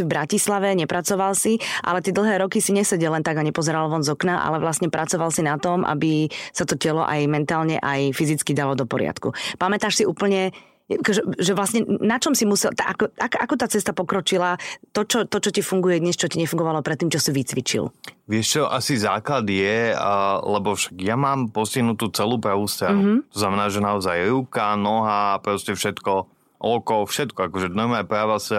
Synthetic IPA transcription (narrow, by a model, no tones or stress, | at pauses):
ivbɾacislaʋɛɲɛpɾat͡sɔʋalsiʔa̰lɛt̪ɪɛd̪l̩ˠɦɛːɾɔkisiɲɛsɛɟɛlɛnt̪aɡaɲɛpɔzɛɾalʋɔnzɔknaʔa̰lɛʋlasɲɛpɾat͡sɔʋalsinat̪ɔmʔa̰bisat̪ɔcɛlɔ̰ʔa̰jmɛnt̪aːlɲɛʔajfizit͡skid̪alɔd̪ɔpɔɾɪa̰t̪kṵpamɛt̪aːʃsiuːpl̩ɲɛ | jakɔʒɛʒɛʋlasɲɛnat͡ʃɔmsimusɛlt̪ʔakɔakʔakɔt̪aːt͡sɛst̪apɔkɾɔt͡ʃilat̪ɔt͡ʃɔt̪ɔt͡ʃɔcifuŋɡujɛd̪ɲɛst͡ʃɔciɲɛfuŋɡɔʋalɔpɾɛt̪ːiːmt͡ʃɔsiʋit͡sʋit͡ʃḭlʋɪɛʃt͡ʃɔʔasizaːklad̪jɛ | lɛbɔfʃḁɡjamaːmpɔsciɦnut̪uːt͡sɛluːpɾaʋuːst̪ɾaɦuɦ̩t̪ɔznamɛnaːʒɛnaɔzajɾuːkanɔɦapɾɔscɛfʃɛt̪kɔ | ʔɔkɔfʃɛt̪kɔakɔʒɛd̪namapɾaːʋas